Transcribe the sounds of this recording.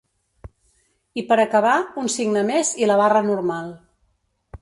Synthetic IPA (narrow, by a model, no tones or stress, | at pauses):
ipəɾəkəβaunsiɡnəmeziləβ̞arənuɾmalˠ